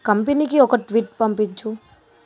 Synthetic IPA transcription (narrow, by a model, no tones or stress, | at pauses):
kɐmpenikiɔkɐʈʋiːʈpɐmpit͡ʃːu